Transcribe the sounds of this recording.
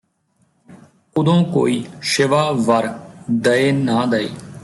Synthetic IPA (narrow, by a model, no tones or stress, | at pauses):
ʊd̪õːko̰ːiːʃɪʋaːʋəɾd̪əeːnaːd̪əḛː